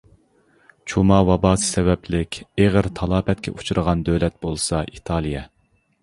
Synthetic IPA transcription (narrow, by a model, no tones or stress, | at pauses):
t͡ʃʰumɑːwɑbɑːsɨ̥sɛvɛplɪkʲeʁəɾt̪ʰɑlˠɑːpʰɛt̪̚kʲʰɛ̰ʔut͡ʃʰuɾəʁɑnd̪ølɛt̪̚bolˠsɑʔit̪ʰɑːlˠijɛ